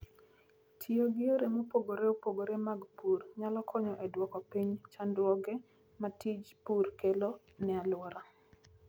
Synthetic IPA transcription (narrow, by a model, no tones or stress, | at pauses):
tʰioɡɪoɾemopoɡoɾeopoɡoɾemaɡpurɲalɔkʰɔɲɔʔedwɔkɔpiɲt͡ʃandwɔɡɛ | matid͡ʒpurkelo | nɛalwɔɾa